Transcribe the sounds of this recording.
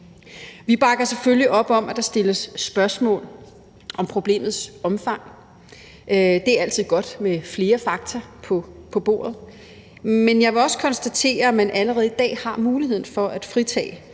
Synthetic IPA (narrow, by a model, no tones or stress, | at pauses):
ʋib̥ɑ̈ɡ̥ɐseføljiʔɒ̽b̥ɒ̽mʔæd̥ɑ̈sd̥e̝ləsːb̥ɶɐsmɔ̰̽ːl | ʔɒ̽mpʰʁo̝b̥le̝̰ːmð̞̩ˠsɒ̽mfɑ̈ŋ̰ | d̥e̝æɐæl̰t͡sʰið̞̰ˠɡ̥ɒ̽d̥mefle̝ːɐfɑ̈ɡ̥̚t͡sʰɐpʰpʰɒ̽b̥o̝̰ːɐð̞̩ˠ | menjɑ̈ɪʋe̝ɒ̽skʰɒ̽nsd̥æt͡sʰe̝̰ːɐæmænʔæləʁɛːð̞̩ˠid̥ɛ̰ːhɑ̈muːlihe̝ð̞̰ˠn̩fɒ̽ʔæd̥fʁit͡sʰɛ̰ː